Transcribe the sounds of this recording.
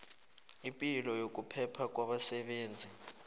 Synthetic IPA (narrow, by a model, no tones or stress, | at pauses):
impʼilɔjok̬ʼupʰɛpʰak̬ʼwaɓasɛɓeːnd͡zʱi